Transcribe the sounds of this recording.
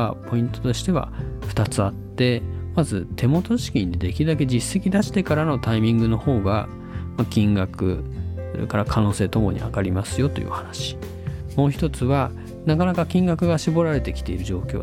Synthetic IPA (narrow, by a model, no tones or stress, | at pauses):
apʰo̞ĩnt̪ot̪o̞ɕi̥t̪e̞β̞a̰ɸɯ̟̥t̪at͡sɨat̪ːe̞mazɨt̪e̞mo̞t̪o̞ɕi̥kʲĩnd̪e̞d̪ekʲid̪ak̬e̞d͡ʑisːe̞kʲid̪aɕi̥t̪e̞kaɾano̞t̪aimʲĩŋɡɯ̟no̞ho̞ːɡa̰ | makʲĩŋɡakɯ̟̰ | kaɾakʰano̞ːse̞ːt̪o̞mo̞̰ɲ̟ḭakaɾʲimasɨjo̞t̪o̞̰jɯ̰ːhanaɕi̥ | mo̞ːçi̥t̪o̞t͡sɨβa | nakanakakʲĩŋɡakɯ̟ɡaɕibo̞ɾaɾe̞t̪e̞kʲi̥t̪e̞iɾɯ̟ʑo̞ːkʲo̰ː